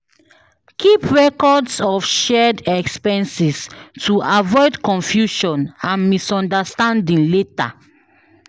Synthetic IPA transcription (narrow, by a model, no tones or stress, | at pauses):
kʰipɹɛkɔdsɔfʃɛdɛkspɛ̃nsistʰuavɔɪdkɔ̃nfjuʃɔ̃nãnmisɔ̃ndastãndĩŋleta̰